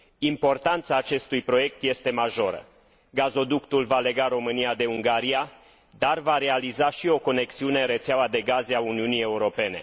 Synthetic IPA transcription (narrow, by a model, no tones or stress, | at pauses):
impo̞rt̪ant̪saːt͡ʃe̞st̪ujpɾo̞je̞k̚t̪je̞st̪e̞maʒo̞ɾə̰ | ɡazo̞d̪ukt̪ulvale̞ɡaɾo̞mɨniad̪e̞uŋɡaɾia | d̪arvaɾe̞alizaʃio̞ko̞ne̞ksiune̞ɨnɾe̞t̪seawad̪e̞ɡazeauniunije̞uɾo̞pe̞ne̞̰